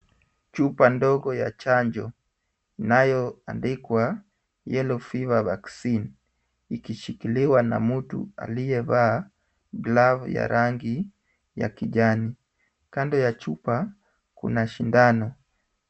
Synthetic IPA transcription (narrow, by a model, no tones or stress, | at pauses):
t͡ʃupandɔɡɔja̰t͡ʃaɲd͡ʒɔ | inajɔa̰ndikwa | jɛlɔfivavaksin | ikiʃikiliwana̰mutṵa̰lijɛvaː | ɡlavja̰ɾʔaŋɡi | ja̰kiʄani | kandɔjat͡ʃupa | kṵnaʃindanɔ